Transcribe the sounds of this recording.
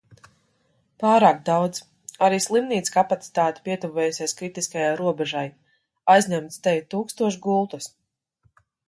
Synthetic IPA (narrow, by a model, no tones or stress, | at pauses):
paːɾaːkd̪awd̪z | aɾiːslˠimniːt̪skapat̪si̥t̪aːt̪i̥pʲiɛt̪uvɛːjusʲajskɾit̪iskajajɾuɔbɛʒaj | ajzɲʲamt̪st̪ɛjt̪uːkst̪uɔʃɡulˠt̪us